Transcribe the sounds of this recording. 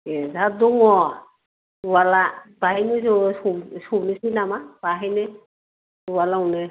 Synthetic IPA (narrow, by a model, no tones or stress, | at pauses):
ezaduŋɔ | uwalab̥aɦinezosusunisinamab̥aɦine | uwalaunɛ